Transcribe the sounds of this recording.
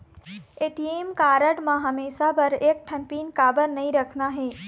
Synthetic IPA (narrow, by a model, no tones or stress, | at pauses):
eːʈieːmkaːɾəɽmãɦɐmeːʃabɐɾeːk̚ʈʰɐ̃mpiːnkaːbəɾnɐɦĩɾɐkʰnaɦeː